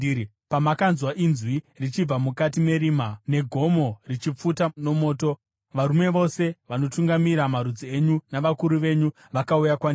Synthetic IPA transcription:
pamakanzwaʔinzwi | rit͡ʃib͡vamukatime̞ɾiːmane̞ɡʱo̞mo̞rit͡ʃip͡futano̞mo̞ːto̞ | ʋaɾume̞ʋo̞se̞ʋano̞tuŋɡamiɾamaɾud͡zie̞ɲunaʋakuɾuʋe̞ɲu | ʋakaujakwani

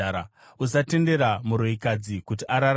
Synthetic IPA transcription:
a | usate̞nde̞ɾamuɾoikad͡zikutiʔaɾar

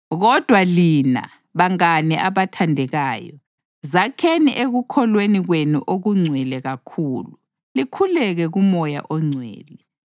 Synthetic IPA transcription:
ɣɔd̥ʱwalina̰ | βaŋanɛʔaβatʰandʱɛɣaːjɔ | zakʰeniʔeɣukʰɔlweniɣwenṵʔoɣuŋ͡ǀʱwɛlɛɣakʰuːlu | likʰulɛɣɛɣumɔja̰ʔɔŋ͡ǀʱwɛ̰ːlɛ

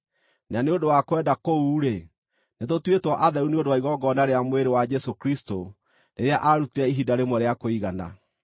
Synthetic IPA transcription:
naneondowakwɛːdakouːɾe | netotwetwɔʔaðɛɾuneondowaiɣɔɡɔnaɾeamweɾewad͡ʒɛsokɾisto | neɾeaʔaɾutiɾɛiɦidaɾemɔɾeakoiɣana̰

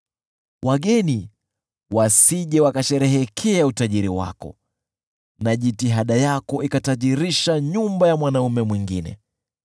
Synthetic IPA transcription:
wʔaɠɛni | wasiʄɛwakaʃɛɾɛɦɛkʰɛautaʄiɾiwa̰kɔ̰ | naʄitiɦaɗajakɔʔikataʄiɾiʃaɲumbajamwanaumɛmwiŋɡinɛ̰

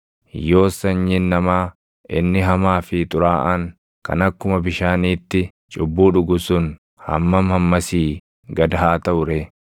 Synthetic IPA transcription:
jo̞ːsɐɲɲinːɐmaː | ʔɪnːɪɦɐmaːfɪt̪ʼʊɾaːʔɐŋ | kɐ̰nɐkːʊmɐbɪʃaːniːt̪ːɪ | t͡ʃʼʊbːuːᶑʊɡʊsʊn | hɐ̰mːɐmhɐmːɐsiː | ɡɐd̪ɐɦaːt̪ɐʔʊɾɛ

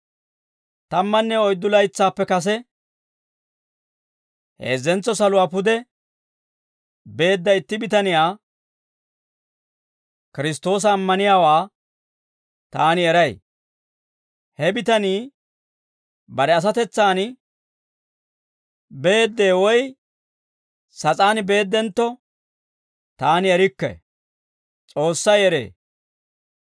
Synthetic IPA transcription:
t̪ɐmːɐnːɛɔjd̪ːʊlɐjt͡sːaːpːɛkɐs̬ɛ | hḛːzːɛnt͡sːɔsɐlʊwaːpʊd̪ɛ | be̞ːd̪ːɐɪt̪ːɪbɪt̪ɐnɪjaː | kɪɾɪst̪o̞ːs̬ɐːmːɐnɪjaːwaː | t̪aːnɪɛɾɐj | hɛbɪt̪ɐniː | bɐɾɛɐs̬ɐt̪ɛt͡sːaːn | be̞ːd̪ːe̞ːwɔj | sɐt͡sʼaːnbe̞ːd̪ːɛnt̪ːɔ | t̪aːnɪɛɾɪkːɛ̰ | t͡sʼo̞ːsːɐjɛɾḛː

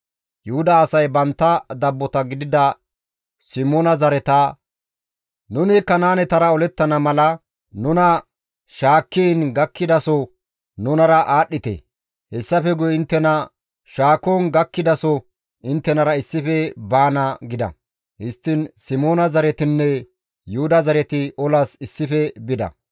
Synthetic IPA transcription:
jʊhʊd̪ɐːsɐjbɐnt̪ːɐd̪ɐbːɔt̪ɐɡɪd̪ɪd̪ɐ | sɪmoːnɐzɐɾɛt̪ɐ | nʊnɪkːɐnaːnɛt̪ɐɾɐɔlɛt̪ːɐnɐmɐlɐ | nʊnɐ | ʃaːkːiːnɡɐkːɪd̪ɐsɔ | nʊnɐɾɐʔaːɗːɪt̪ḛ | hɛsːɐfɛɡʊjɪnt̪ːɛnɐ | ʃaːkoːnɡɐkːɪd̪ɐsɔ | ɪnt̪ːɛnɐɾɐɪsːɪfɛbaːnɐɡɪd̪ɐ̰ | hɪst̪ːɪnsɪmoːnɐzɐɾɛt̪ɪnːɛ | jʊhʊd̪ɐzɐɾɛt̪ɪʔɔlɐsɪsːɪfɛbɪd̪ɐ̰

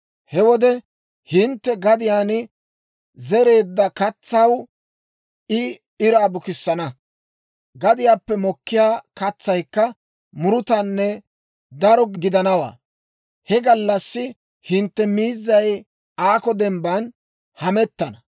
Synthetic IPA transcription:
hɛwɔd̪ɛ | hɪnt̪ːɛɡɐd̪ɪjaːnɪ | zɛɾe̞ːd̪ːɐkɐt͡sːɐw | ɪ | ɪɾaːbʊkɪsːɐnɐ | ɡɐd̪ɪjaːpːɛmɔkːɪjaːkɐt͡sːɐjkːɐ | mʊɾʊt̪ɐnːɛ | d̪ɐɾɔɡɡɪd̪ɐnɐwa̰ː | hɛɡɐlːɐsːɪ | hɪnt̪ːɛmiːzːɐj | aːkɔd̪ɛmbɐn | hɐmɛt̪ːɐnɐ

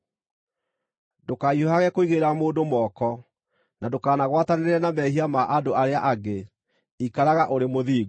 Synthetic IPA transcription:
dokaioɦaɣɛkoiɣeɾamoːdomɔkɔ | nadokaːnaɣwataneeɾɛnamɛhiamaʔadoʔaɾeaʔaɡe | ikaɾaɣaʔoɾemoðiːɣ

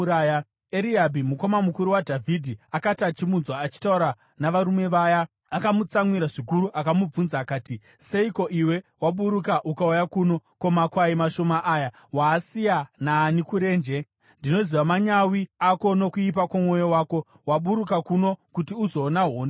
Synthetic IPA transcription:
aja | eɾiɦabʱimuko̞mamukuɾuwadʱavʱidʱiakatat͡ʃimunzwaːt͡ʃi̥tauɾa | naʋaɾume̞ʋaja | akamut͡samwiɾaʐikuɾuʔakamub͡vunzaːkaːti | se̞iko̞ʔiwe̞waɓuɾukaʔukaujakuno̞ko̞makwaimaʃo̞maʔaːja | waːsijanaːnikuɾeːnd͡ʒe̞ | ndino̞ziʋamaɲawiako̞no̞kuip̬akamo̞jo̞waːko̞ | waɓuɾukakuno̞kutiuzo̞ːnaɦoːnd

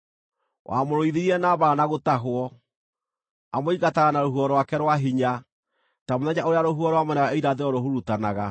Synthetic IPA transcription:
wʔa̰moɾoiðeɾiɛnaːβaːnaɣotaɦwɔ | amoiɣataɣanaɾoɦuɔɾwakɛɾwaɦiɲa | tamoðɛɲaoɾeaɾoɦuɔɾwamɛnaɣaeiɾaðeɔɾoɦuɾutanaɣa

